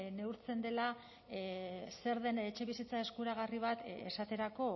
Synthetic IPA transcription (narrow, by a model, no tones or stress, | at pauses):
ne̞uɾt͡se̞nd̪e̞la | se̞ɾðe̞ne̞t͡ʃe̞βisit͡sae̞skuɾaɣ̞ariβ̞at̪esat̪e̞ɾako̞